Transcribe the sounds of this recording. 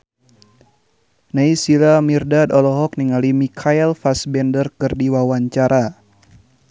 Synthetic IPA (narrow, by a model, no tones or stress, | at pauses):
naisilamirdadɔlɔɦɔk̚niŋalimikʰaɛlfasbɛndərkɨrdiwawaɲt͡ʃaɾʔa